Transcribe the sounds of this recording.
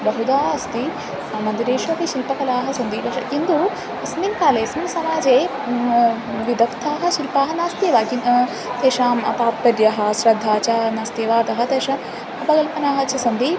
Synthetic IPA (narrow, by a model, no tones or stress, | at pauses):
bɐɦud̪aːɐst̪i | mɐnd̪iɾeːʃʋɐtiʃilpɐkɐlaːɦɐsɐnd̪iːɾɐʃɐ̰kind̪u | smiŋkaːleːsmiŋsɐmaːd͡ʒeː | ʋid̪ɐkt̪ʰaːɦɐ̆ʃilpaːɦɐ̆naːst̪eːʋaːki | t̪eːʃaːmɐ̰t̪aːt̪̚pɐɾjɐɦɐ̆sɾɐd̪ʱːaːt͡ʃanaːst̪eːʋaːt̪ɐɦɐ̆t̪eːʂɐ | ɐpɐɡɐlpɐnaːɦɐt͡ʃɐsɐnd̪i